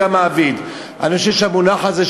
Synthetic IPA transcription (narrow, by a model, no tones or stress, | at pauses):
amaːvid̪ | a̰naʃiʃeamunaħaze